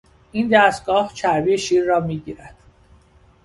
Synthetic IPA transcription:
ʔiːnd̪æst̪ɡɒːht͡ʃʰæɾbiːjeʃiːɾːɒːmiːɟiːɾæd̪̥

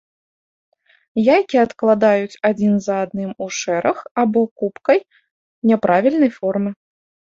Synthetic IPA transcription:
jajkʲiɐt̪klˠad̪ajut͡sʲad͡zʲinzɐːd̪nɨmuʂɛɾʔɐxabɔkupkɐj | nʲɛpɾʔavʲilʲnɐjfɔrmɨ

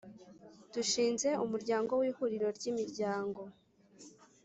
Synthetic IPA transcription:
d̥uʃiːnze̞umuɾɟaːŋɡo̞wiːhuɾiɾo̞ɾɟimiɾɟaːŋɡo̞

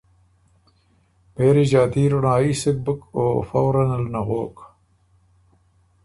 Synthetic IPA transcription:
peːɾid͡ʑaːt̪iːɾunaːiːsik̚bukoːfɐwɾɐnɐlnɐɣoːk

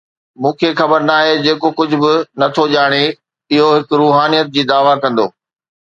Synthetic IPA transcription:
mũːkʰexɐbəɾnaːɦed͡ʑeːkokʊd͡ʑʱʊ̆bɪnɐt̪ʰoʄaːɽ̃e | ɪɦoɦɪkɾuːɦaːnijət̪̚d͡ʑiːd̪aːʋakɐ̃nd̪o̰ː

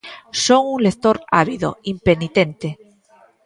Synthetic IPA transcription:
soŋuŋlekt̪oɾa̰βiðo̰impenit̪ẽnt̪e

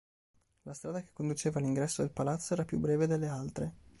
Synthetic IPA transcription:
last̪ɾaːd̪ake̥kːond̪ut͡ʃeːvaliŋɡɾɛsːod̪elpalat̪sːoɛːɾapjṵbːɾɛːved̪elːealt̪ɾe

